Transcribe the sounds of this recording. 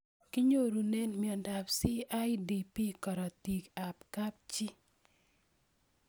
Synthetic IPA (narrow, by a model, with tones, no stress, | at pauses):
ki˦ɲo˦ɾu˨ne˦nmɪ˨ɔ˨nda˨psi˦a˦jdi˨pi˦kɔ˨ɾɔ˨ti˨ka˨pka˦p̚t͡ʃi˦